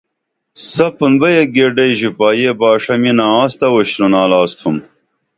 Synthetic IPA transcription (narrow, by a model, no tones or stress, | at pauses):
sɐpunbɐjeɡeɖɐjʑipaːjebaːʂɐminaaːst̪ɐwuɕnunaːlɑːst̪ʰhum